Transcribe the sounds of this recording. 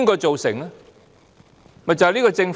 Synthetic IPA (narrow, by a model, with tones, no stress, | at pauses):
ŋkɔː˧jt͡so˨wsɪ˨˩ŋɐ˦˧ | mɐ˨jt͡sɐ˨hliː˥kɔ˧t͡sɪ˧ŋf